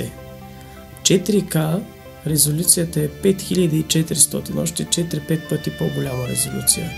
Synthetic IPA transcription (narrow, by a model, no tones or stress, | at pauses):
ɛ | t͡ʃɛt̪ɾika | ɾɛzolʲut̪sijət̪əɛpɛt̪xilʲəd̪iːt͡ʃɛt̪ɾist̪ɔt̪inɔʃt̪ɛt͡ʃɛt̪ɾipɛt̪̚pət̪ipoɡolʲaməɾɛ̰zolʲṵt̪sḭjə̰